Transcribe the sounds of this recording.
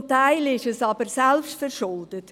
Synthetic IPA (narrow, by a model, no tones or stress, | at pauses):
mtaɪlɪʃɛsɑbəɾsɛlpʃtfɛɾʃʊld̥ət